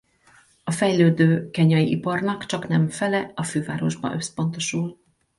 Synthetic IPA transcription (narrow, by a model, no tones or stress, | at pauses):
ɒfɛjløːd̪øːkɛɲɒjiʔipɒrnɒkt͡ʃɒknɛmfɛlɛɒføːvaːɾo̞ʒbɒ̰nø̞spo̞nt̪o̞ʃul